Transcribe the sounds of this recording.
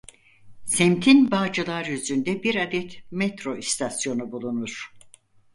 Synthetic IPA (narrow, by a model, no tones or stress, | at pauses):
sɛmt̪ʰinbaːd͡ʒɯlˠaɾjyzynd̪ɛbiɾad̪ɛt̪mɛt̪ɾo̞ist̪ʰasjo̞nubulˠunuɾ̥